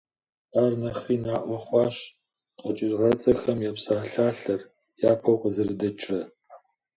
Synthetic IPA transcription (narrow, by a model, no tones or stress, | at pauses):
aːrnɐχriːnaːʔʷɐχʷɑːʃ | qʼɐt͡ʃʼɪrʁɐt͡sʼɐxɐmjapsaːɬaːɬɐr | jaːpʰɐwqʼəzɐrɨdɐt͡ʃʼrɐ